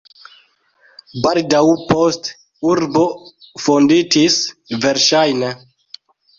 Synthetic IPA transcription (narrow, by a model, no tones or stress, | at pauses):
baldawpost | uɾbo̞fonditisve̞ɾʃajne